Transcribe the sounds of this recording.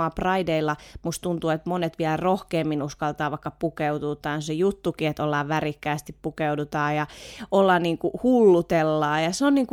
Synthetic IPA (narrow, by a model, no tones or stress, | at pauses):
ɑprɑideilːɑmust̪unt̪uːet̪monet̪ʋiælrohkeːmːinuskɑlt̪ɑːʋɑikːɑpukeud̪ut̪ɑːnsejut̪ːukiet̪olːɑːʋʋærikːæːst̪ippukeudut̪ɑːjɑolːɑnniːŋkuhulːut̪elːɑːjɑsonniːŋku